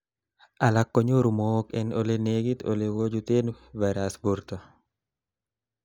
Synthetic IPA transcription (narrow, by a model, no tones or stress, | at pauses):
alakːɔɲoɾumokɛnoleneɡit̪o̰lewod͡ʒut̪en | vaɾasbuɾt̪ɔ